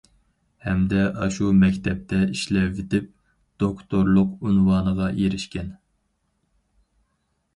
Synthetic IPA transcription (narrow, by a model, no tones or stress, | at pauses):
hɛmd̪ɛɑʃumɛkʲt̪ʰɛp̚t̪ʰɛiʃlɛvɪd̪ɪp̚ | d̪̥okt̪ʰoɾlˠʊqynwɑːnəʁɑjeɾɪʃkʲɛn